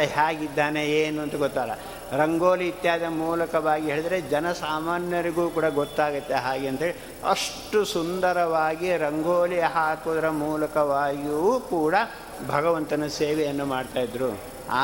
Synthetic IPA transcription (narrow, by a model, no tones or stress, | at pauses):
ɦaːɡid̪ːaːne̞eːnuɐnt̪ɐɡɔt̪ːaːlːɐ̰ | ɾɐŋɡoːliit̪jaːd̪ɐmuːlɐkɐʋaːɡiɦeːɭid̪ɐɾe̞d͡ʒɐnɐsaːmaːnjɐɾiɡuːkuːɽɐɡɔt̪ːaːɡɐt̪ːe̞ɦaːɡeɐnt̪ɐɦeːɭi | ɐ̰ʂʈusund̪ɐɾɐʋaːɡiɾɐŋɡoːlijɐɦaːkuːd̪ɐɾɐmuːlɐkɐʋaːɡiukuːɽɐ | bʱɐɡɐʋɐnt̪ɐnɐseːʋejɐnːumaːɖt̪aːjid̪ɾu | a̰ː